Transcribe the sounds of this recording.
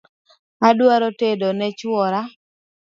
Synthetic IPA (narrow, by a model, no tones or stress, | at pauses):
adwaɾotedonɛt͡ʃwɔɾa